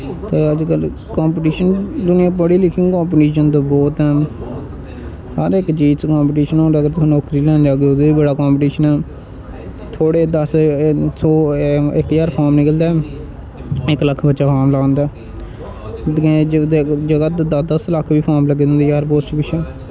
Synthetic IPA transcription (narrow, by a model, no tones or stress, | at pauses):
t̪eːəd͡ʒkəlkãːmpʈiːʃənd̪ʊnɪjãːpəɽiːlɪkʰɪ̃ŋkaːmp̬ʈiːʃənt̪̬oːbɔːt̪ɛː | həɾɪkt͡ʃiːt͡ʃkãːmpːʈiːʃənõːɾəɡəɾt̪ːnɔːkɾiːlɛ̃ːnd͡ʒaːɡoːɡ̪eiːbəɽaːkãːmpʈiːʃənɛː | t̪ʰoːɽeːd̪əssoːɪkjaːɾpʰaːɾmnɪkəld̪aː | ɪkləkʰbətːʃaːfʰaːɾmlaɡãːnd̪aː | d͡ʒəɡat̪ːd̪əd̪əsləkʰːʋiːpʰaːɾmləɡeːd̪ɪnd̪iːjaːɾpoːst͡ʃibɪt͡ʃʰɛː